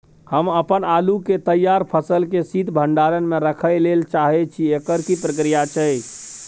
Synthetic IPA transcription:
həməpənaluket̪əjːaɾpʰəsəlkesid̪ʱbʱəɳɖaɾənmẽɾəkʰəjlelt͡ʃaɦɛt͡ʃʰiekəɾkipɾəkɾijat͡ʃʰəj

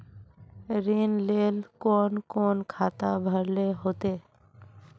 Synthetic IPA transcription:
ɾinlelkɔnkɔnkʰat̪abʱəɾleɦot̪e

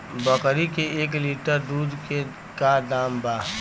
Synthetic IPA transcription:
bəkɾikeeːkliːʈəɾd̪uːd̪ke | kad̪aːmbaː

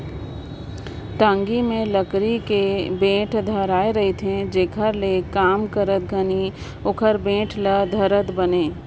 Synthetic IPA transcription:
ʈãːŋɡimẽləkɾikebẽːʈʰd̪ʱəɾaːeɾɐɦit̪ʰẽd͡ʒeːkʰəɾlekaːmkəɾət̪̚ɡʱɐni | okʰəɾbẽːʈʰləd̪ʱɐɾət̪bɐneː

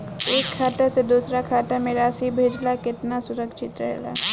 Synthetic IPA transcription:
eːkʰːaːʈased̪uːsɾakʰaːʈamẽɾaːʃibʱeːd͡ʒlakɪt̪nasʊɾəkʃɪt̪ɾɐ̰ɦla̰ː

